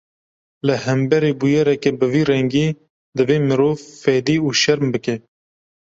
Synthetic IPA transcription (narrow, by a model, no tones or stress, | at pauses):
lɨhɛmbɛɾeːbujɛɾɛkebɨviːrɛŋɡiː | d̪ɨveːmɨɾoːvfɛd̪iːuːʃɛɾmbɨkɛ